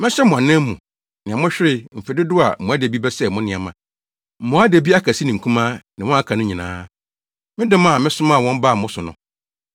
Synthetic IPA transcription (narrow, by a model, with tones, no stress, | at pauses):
mɪ̃˦ɕɛ˦mʊ̃˨a˨nɛ̃˦m˦mũ˨ | nɪ̃˨ã˨mʊ̃˦ɕᶣɪ˦ɾɪ˦m̩˨fe˨dɪ˦dʊ˦a̰˨mʊ̃˨a˦de˨bi˦bɛ˦sɛ˦˨mʊ̃˦nɪ̃˨a˨mã̰˨ | mʊ̃˨˦a˦de˨bi˦a˦kʰa˨si˦nɪ̃˨ŋ̩˨kʰũ˦mã˦nɪ̃˨wɔ̃˦a˦kʰã˨nʊ̃˦ɲĩ˨nã̰ː˦ | mɪ̃˦dɪ̃˦m˦a˦˨mɪ̃˦sʊ̃˦mã˦˨wɔ̃˦m˦ba˦˨mʊ̃˦sʊ˨nʊ̰̃˨